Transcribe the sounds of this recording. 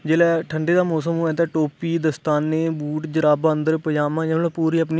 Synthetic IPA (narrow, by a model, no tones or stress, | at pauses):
d͡ʒeːlɛːʈʰəɳɖeːd̪aːmɔːsəmɦoːɛːt̪ɛ̃ːʈoːpiːd̪əst̪aːnːeːbuːʈd͡ʒəɾaːbə̃nd̪əɾpəjaːmãːjãːl̃ːpuːɾiːəp̬niː